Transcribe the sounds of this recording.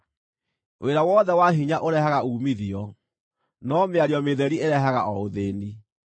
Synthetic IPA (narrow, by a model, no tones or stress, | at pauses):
weɾawɔðɛwaɦiɲaʔoɾɛhaɣauːmiðiɔ | nɔmeaɾiɔmeðɛɾieɾɛɦaɣa̰ʔɔoðeːni